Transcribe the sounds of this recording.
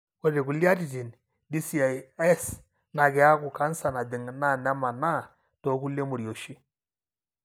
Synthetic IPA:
kɔ˦ɾe˨ku˨li˦a˦ti˨ti˨n | di˦si˨a˨ɛ˦s | na˨kɪ˨˦a˦kʊ˨ka˦n˦sa˨na˨dɪ˨ŋna˦˨nɛ˦ma˨na˦˨ | tɔ˨˦ku˦le˦mo˨ɾjo˨ʃi˦

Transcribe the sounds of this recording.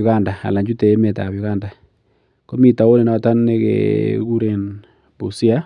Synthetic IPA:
ɣa˦˨nda˨a̰˨la˨ɲd͡ʒu˦te˨e˦me˨ta˨bjʊ˨ɣa˦˨nda˨ | ko˦mi˦ta˨o˦le˨nɔ˨ta˦nːe˦kḛ˨ɡu˦ɾe˨n | bṵ˨si˦a˦

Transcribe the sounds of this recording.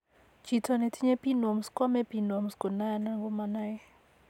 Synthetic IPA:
t͡ʃi˨tʰɔ˨nɛ˨ti˦ɲe˦pi˦no˨mskɔ˦mɛ˦pi˨no˨msko˨na˦ja˦na˦ŋɡo˦ma˨na˦ɛ˦

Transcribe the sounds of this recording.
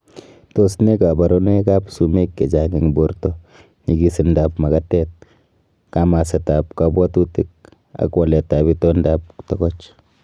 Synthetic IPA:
t̪o˦sne˦ka˨ba˨ɾo˦n˦e˦ka˦psu˨me˦kːe˨t͡ʃaŋɡi˨ŋboɾt̪o | ni˨ɡisi˧ndapma˨kat̪et̪̚ | kama˨se˨ta˨pkabwa˦t̪u˦tik̚ | a̰˨kwale˨ta˨bito˦ndap̚t̪ɔɡɔt͡ʃ

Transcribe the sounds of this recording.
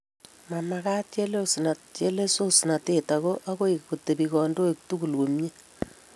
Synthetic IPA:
ma˨ma˨ka˦tt͡ʃe˦le˦˨si˨na˨tt͡ʃe˦le˦so˦si˨na˨te˨ta˨ɣo˦ʔa˦ko˦ikko˨te˨bi˨kɔ˨ndo˦e˨k̚tu˦ɡu˨lwo˨mje˦

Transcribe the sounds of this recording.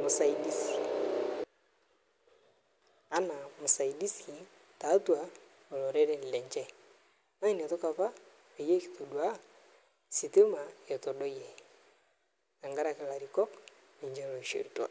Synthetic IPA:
mu˨sa˨i˨di˦si˨ | a˦na˨mu˨sa˨i˨di˦si˨ | ta˨˦twa˨ | ɔ˨lɔ˨ɾɛ˦ɾɛ˦˨lɛ˨ɲd͡ʒɛ˦ | na˦i˦ni˨a˨tɔ˦ka˨pa˦ | e˨je˦ki˨to˨dwa˦ | si˨te˦ma˨jɔ˨tɔ˨ɗɔ˦jɛ˨ | a˨ŋɡa˦ɾa˨kɪ˨la˨ɾi˨kɔ˦k | ni˨ɲd͡ʒɛ˦lo˨i˨ʃo̰˨ɾi˨twa̰˨

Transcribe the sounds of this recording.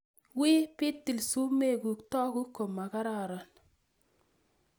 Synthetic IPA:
wiː˦pi˦tːi˨lsu˦me˦˨ku˨ktɔ˦ku˦kːo˨mːa˨ka˦ɾa˨ɾɔ˨n

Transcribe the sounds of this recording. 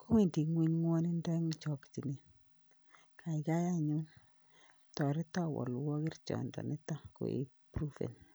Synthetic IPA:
ko˦wi˨ndi˨ŋwi˦ɲŋwɔ˦ni˦ndɛ˦ŋt͡ʃɔ˨kti˨ni˨n | kʰa˨i˨ka˦ja˦ɲu˦n | tɔ˨ɾɪ˦ta˦wɔ̰˨lwɔ˦ki˦rt͡ʃɔ̰˨ndɔ̰˨nɪ˦ta˦ko̰˨ʔḭ˨pɾu˦fḛ˨n

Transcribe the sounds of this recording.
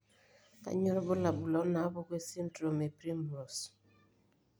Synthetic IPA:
ka̰˦ɲɔ˦ɾɔ˦bʊ˦la˨bu˨lɔ˨˦na˨˦bo˦ke˦si˦ntɾo˨me˨pɾi˦mɾo˨s

